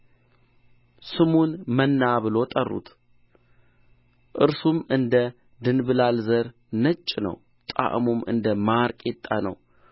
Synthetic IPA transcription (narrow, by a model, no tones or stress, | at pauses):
sɨmunmənːaβɨlo̞t̪ʼərːṵt̪ | ʔɨɾsumɨnd̪ə | d̪ɨnbɨlalzəɾ | nət͡ʃʼːnə̰w | t̪ʼa̰ʔmumɨ̰nd̪əmaɾkʼet̪ʼːanə̰w